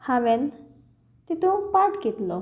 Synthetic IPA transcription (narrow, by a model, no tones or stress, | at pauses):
haʋen | t̪it̪upaɾʈkit̪lo